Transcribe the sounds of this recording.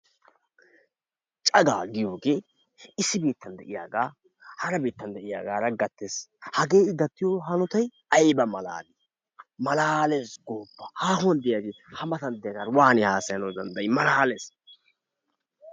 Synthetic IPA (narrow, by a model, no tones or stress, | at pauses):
t͡ʃʼɐɡa̰ːɡɪjoːɡeː | ɪsːɪbiːt̪ːɐnd̪ɛʔɪja̰ːɡaː | hɐɾɐbiːt̪ːɐnd̪ɛʔɪja̰ːɡaːɾɐɡɐt̪ːeshɐɡe̞ːɪd̪ɐt̪ːɪjoɦɐnʊt̪ɐj | ɐjbɐmɐla̰ːlɪ | mɐlaːleːsɡoːbːɐhaːhʊwɐnd̪ɪjaːɡeː | hɐmɐt̪ɐnd̪ɪjɐɡaːɾwaːnɪhaːsɐjɐnɔd̪ɐnd̪ɐɪmɐlaːleːs